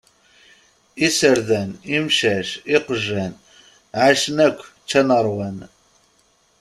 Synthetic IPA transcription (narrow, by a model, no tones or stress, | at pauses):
isəɾðænimʃæʃɪqəʒːæn | ʕaʃənækʷː | t͡ʃːænəɾˤwæn